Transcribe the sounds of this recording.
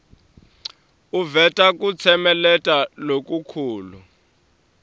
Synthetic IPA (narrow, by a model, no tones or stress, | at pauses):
uvɛtʼak̬ʼut͡sʰɛmɛlɛtʼalok̬ʼukʰuːlu